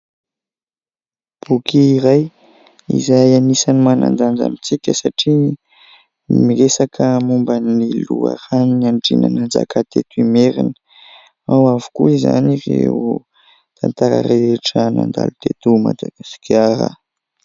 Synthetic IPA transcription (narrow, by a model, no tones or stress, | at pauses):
b̥ukiːɾaj | ḭzajanisanimana̰nd͡zand͡za̰mit͡sikʲəsaʈ͡ʂi | miɾesakʰəmumbanilua̰raniaɳɖ͡ʐinanand͡za̰kat̪et̪imeɾinə̥ | awavu̥kuiza̰nireu | t̪ʰant̪aɾa̰ɾeʈ͡ʂənand̪a̰lut̪et̪umad̪aɡ̥asi̥kaɾa̰